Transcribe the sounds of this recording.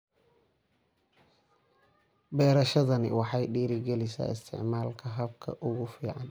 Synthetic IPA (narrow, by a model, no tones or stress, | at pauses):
bɛːɾɐʃɐðɐnɪ̰wɑħɑjɖiːɾɪɡɛlɪsa̰ːɪst̪ʰɪ̰ʕmaːlkʰɐɦɐb̚kʰɐ̰ʔʊɣʊfiːʕɑn